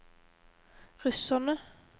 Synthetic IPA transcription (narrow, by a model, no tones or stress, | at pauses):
ʁʉsənə